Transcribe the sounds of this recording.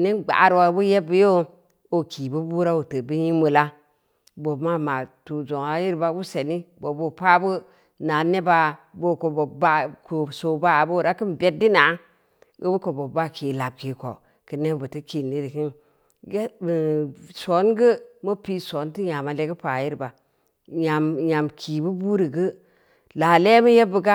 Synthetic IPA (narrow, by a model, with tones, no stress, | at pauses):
ne˦nɡ͡ba̰˨ɾwa˨˦bu˦je˦bə˦jo˦ | o˨ki˨bu˦bu˦ɾa˦wu˨tə˨bɨ˦ji˦mə˨la˦ | bo˨˦ma˦ma˨tu˨d͡ʒo˨ŋa˨˦ji˦ɾba˦bu˦se˨ni˦bo˨bo˦pa˦bu˦ | na˨ne˦ba˨bo˦˨ko˨bo˨ba˦ko˨so˨ba˦˨bo˦˨ɾa˦ki˦n˨be˦t̚di˦na˨˦ | ɡə̰˦bu˦ko˨bo˨bːa˦ki˨la˨b̚ki˨ko̰˨ | ki˨ne˦bə˨ti˦ki˨nːi˦ɾi˨ki˦n | ɡe˦mi˨so˨˦nɡə˦mo˦pi˦so˨˦nti˦ɲa˨ma˨le˦ɡə˦pa˨ji˦ɾba˨ | ja˨mja˨mkʰi˨bu˦bu˦ɾi˨ɡə˦ | la˨le˦mə˦je˦bə˨ɡa˦